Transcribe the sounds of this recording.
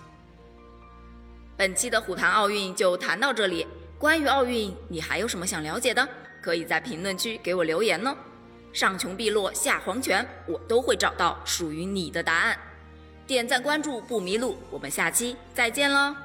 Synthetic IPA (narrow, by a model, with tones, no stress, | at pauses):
pə˨˩nt͡ɕʰi˥d̪ə˨xu˨˩t̪ʰa˧˥nɑ˥˧ʊy˥˧nt͡ɕjo˥˩ʊt̪ʰa˧˥nt̪ɑ˥˧ʊʈ͡ʂɤ˥˩li˨˩˦kwa˥ny˧˥ɑ˥˧ʊy˥˩nni˨˩xa˧˥ɪjo˧˥ʊʂə˧˥nmə˧˩ɕjɑ˨˩ŋljɑ˧˥ʊt͡ɕjɛ˨˩d̪ə˦ | kʰɤ˧˥i˨˩t͡sa˥˩ɪpʰi˧˥ŋlwə˥˩nt͡ɕʰy˥ke˧˥ɪwɔ˨˩ljo˧˥ʊjɛ˧˥nlə˧ | ʂɑ˥˩ŋt͡ɕʰjʊ˧˥ŋpi˥˧lwɔ˥˧ɕja˥˩xwɑ˧˥ŋt͡ɕʰɥɛ˧˥nwɔ˨˩t̪o˥ʊxwe˥˩ɪʈ͡ʂɑ˨˩ʊt̪ɑ˥˩ʊʂu˨˩y˧˥ni˨˩d̪ə˦t̪a˧˥a˥˩n | t̪jɛ˥˩nt͡sa˥˩nkwa˥nʈ͡ʂu˥˧pu˥˩mi˧˥lu˥˩wɔ˨˩mə˦nɕja˥˩t͡ɕʰi˥t͡sa˥˧ɪt͡ɕjɛ˥˩nlə˧